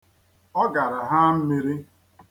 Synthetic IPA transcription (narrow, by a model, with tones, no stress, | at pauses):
ɔ˦ɡa˨ɾa˨ɦa˦m̩˦mi˦ɾi˦